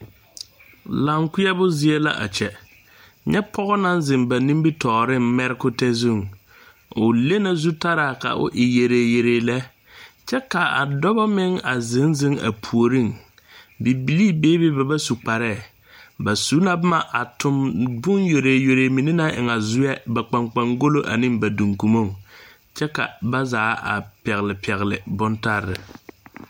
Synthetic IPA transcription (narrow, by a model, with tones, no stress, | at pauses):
la˨ŋkʊ˦ɛ˦bʊ˦zɪ˦e˦la̰˦ʔa̰˨t͡ʃɛ˨ | ɲɛ˦pʰɔ˦ɣɔ˦na˦nzɪ˨ŋba˨nĩ˦mbi˦tɔː˨ɾɪ˦mmɛ˦ɾɪ˦kʊ˦tɛ˦zu˦˨ŋ | ʊ˨le˦na˨zu˦ta˦ɾaː˨ka̰˨ʔʊ̰˦ʔɪ˨je˨ɾeː˨je˨ɾe˨lɛ˦ | t͡ʃɛ˦ka˨a̰˨dɔ˦ba˦mɪ˦ŋa˨zɪ˨˦nzɪ˦ŋa̰˨pʰu˨o˨ɾi˦˨ŋ | bi˨bi˨li˦beː˦be˦ba˨ba˦su˨k͡pa˨ɾɛ˦˨ | ba˨su˦na˨bʊ˦ma˨ʔa˨tʰʊ˨mbʊ˦njo˨ɾe˨jo˨ɾeː˨mi˨nɪ˦na˦ʔɪ̰˨ŋa˨zʊ˦jɛ˦ba˨k͡pa˨ŋk͡pa˨ŋɡo˦lo˦ʔa̰˨nɪ˦ŋba˨du˨ŋku˨mo˦˨ŋ | t͡ʃɛ˦ka̰˨ba˦zaː˨˦ʔa̰˨pɛ˨ɣɪ˨lɪ˨pʰɛ˨ɣlɪ˨bʊ˦nta˦ɾːɪ̰˨